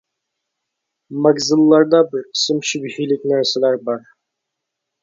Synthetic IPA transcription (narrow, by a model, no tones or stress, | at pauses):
mɑɡzɨlˠːɑɾd̪ɑbiɾqʰi̥sɨmʃybhijlikʲnæɾsɛlæɾbɑɾ